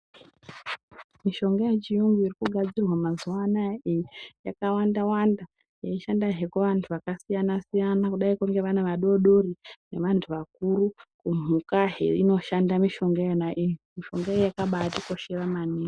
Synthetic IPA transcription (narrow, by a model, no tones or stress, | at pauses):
miʃo̞ŋɡajet͡ʃijuŋɡuirikuɡʱad͡zirwamazuwanaijijakawandawanda | jeiʃandaɦe̞keʋantʰuʋakasijanasijanakuɗaikuŋɡe̞ʋaneʋaɗo̞ɗo̞rine̞ʋantʰuʋak̚uɾukum̤ukaɦḛino̞ʃandamiʃo̞ŋɡejenaʔijimiʃo̞ŋɡaejojakaɓatiko̞ʃe̞ramani